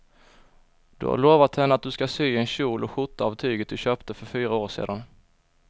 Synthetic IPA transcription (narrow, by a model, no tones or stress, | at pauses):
d̪̥ɵ̰ha̰ɾɭoːvat̪hɛnːəat̪̚d̪ɵskasyːɛnɕuːlɔɧʊʈ̪ːaavt̪ʰyːɡət̪̚d̪ɵɕøːpt̪əfœɾfyːɾaoːʂḛːd̪an